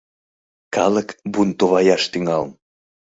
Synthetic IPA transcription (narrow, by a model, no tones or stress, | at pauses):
kɑləkbunt̪oβɑjɑʃt̪yŋɑlm